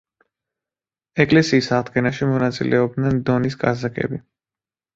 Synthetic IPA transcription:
ɛkʼlɛsiːsaʁd̪ɡɛnaʃimɔnat̪sʼḭlʔɛɔb̚d̪nɛnd̪ɔnis̬kʼa̰zakʼɛ̰bi

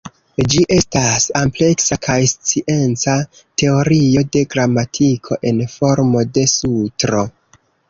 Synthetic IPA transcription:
d͡ʒiʔe̞stasample̞ksakʰajst͡siʔe̞nt͡sa | te̞o̞ɾio̞de̞ɡɾamatʰikʰo̞̰ʔe̞nfo̞ɾmo̞de̞sutɾo̞

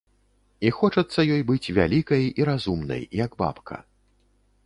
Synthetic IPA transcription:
ixɔt͡ʂɐt̪sːɐjɔjbɨt͡sʲvʲa̰lʲikɐjiɾazumnɐ̰jjɐɡba̰pkʰɐ̰

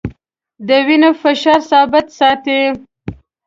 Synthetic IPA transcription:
d̪əwinafaʃɑɾsɑbɪt̪sɑt̪e

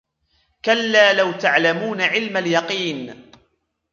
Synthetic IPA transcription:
kalːaːlawt̪aʕlamuːnaʕɪlmaljɑqiːn

